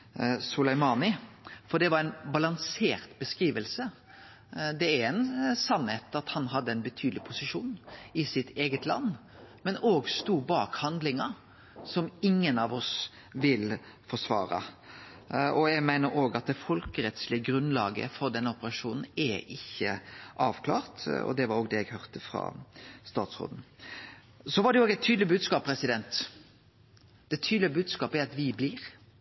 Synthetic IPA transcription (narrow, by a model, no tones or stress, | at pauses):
sʊlɛɪmɑːnɪ | fɔd̪ɛʋɑɾɛɪnbɑlɑŋseːɾt̪bəskɾiːʋəlsə | d̪ɛæɾɛnsɑnheːt̪ɑt̪hɑnɦɑd̪ːəɛɪnbət̪ʰyːd̪lɪpʰʊsɪʃuːnɪsɪt̪eːɡət̪lɑ̰nː | mɛnoːɡst̪uːbɑːkhɑnd̪lɪŋɑ | sɔmɪŋːənɑʋɔs | ʋɪl | fɔʂʋɑ̰ːɾɑ̰ | ʔɔjæɪmæɪnəɾoːɡɑt̪̚d̪ɛfɔlkəɾɛt̪slɪəɡɾʉnlɑːɡə̰fɔɾd̪ɛnːəʊpəɾɑʂuːnn̩ɛʔɪçːə̰ʔɑːʋkʰlɑ̰ːʁt̪ɔ̰d̪ɛʋɑɾoːɡd̪ɛjæɡhœʁt̪əfɾɑ̰ːst̪ɑːt̪sʁo̰ːd̪n̩ | sɔʋɑɖɛjʊoːɡɛɪt̪ʰːyːd̪lɪəbʉːd̪skɑːpʰːɾɛsɪd̪ɛnt̪ | d̪̥ɛt̪ʰyːd̪lɪəbʉːd̪skɑːpəæɾɑt̪ʋɪbliːɾ